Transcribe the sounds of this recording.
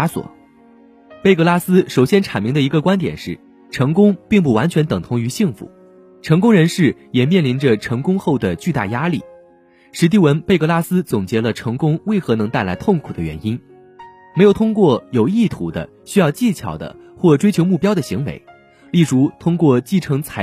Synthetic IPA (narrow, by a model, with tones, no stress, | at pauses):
swɔ̰˨˩˦ | pe˥˧ɪkɤ˥˧la˥sɹ̩˥ʂo˨˩ʊɕjɛ˥nʈ͡ʂʰa˨˩nmi˧˥ŋd̪ə˧i˧˥ɡə˧kwa˥nt̪jɛ̰˨˩nʂɻ̩˥˩ | ʈ͡ʂʰɤ˧˥ŋkʊ˥ŋpi˥˧ŋp̬u˥˩wa˧˥nt͡ɕʰɥɛ˧˥nt̪ɤ˨˩ŋt̪ʰʊ˧˥ŋy˧˥ɕi˥˩ŋfṵ˧˥˦ | ʈ͡ʂʰɤ˧˥ŋkʊ˥ŋɻə˧˥nʂɻ̩˥˩jɛ˨˩mjɛ˥˩nli˧˥nʈ͡ʂə˧ʈ͡ʂʰɤ˧˥ŋkʊ˥ŋxo˥˩ʊd̪ə˩t͡ɕy˥˧t̪a̰˥˩ja˥li˥˩ | ʂɻ̩˧˥t̪̬i˥˩wə˧˥npe˥˧ɪkɤ˥˧la˥sɹ̩˥t͡sʊ˨˩ŋt͡ɕjɛ˧˥lə˧ʈ͡ʂʰɤ˧˥ŋkʊ˥ŋwe˥˩ɪxɤ˧˥nɤ˧˥ŋt̪a˥˩ɪla˧˥ɪt̪ʰʊ˥˩ŋkʰu˨˩d̪ə˦ɥɛ̰˧˥ni˥n | me˧˥jo˨˩t̪ʰʊ˥ŋkwɔ˥˩jo˨˩ʊi˥˩t̪ʰu˧˥d̪ə̰˦ | ɕy˥jɑ˥˧ʊt͡ɕi˥˩t͡ɕʰjɑ̰˨˩ʊd̪ə̰˦xwɔ˥˩ʈ͡ʂwe˥ɪt͡ɕʰjo˧˥ʊmu˥˩pjɑ˥ʊd̪ə˨ɕi˧˥ŋwḛ˧˥ɪ | li˥˩ʈ͡ʂu˧˥t̪ʰʊ˥ŋkwɔ˥˧t͡ɕi˥˩ʈ͡ʂʰɤ˧˥ŋt͡sʰa˧˥